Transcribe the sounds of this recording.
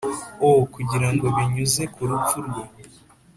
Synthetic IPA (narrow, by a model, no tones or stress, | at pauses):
okuɟiɾaŋɡo̞βiɲuze̞kʰuɾufuɾɡe